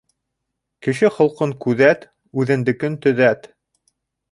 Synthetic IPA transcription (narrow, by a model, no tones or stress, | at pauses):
kɘ̆ʃɘχŏlˠqɤŋkʉðæt̪ | ʉðɘ̆nd̪ɘ̆kɘnt̪ɵ̆ðæt̪